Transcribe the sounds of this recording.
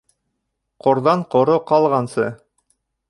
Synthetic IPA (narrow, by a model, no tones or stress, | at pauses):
qŏɾðɑɴqŏɾoqɑlˠʁɑnsɤ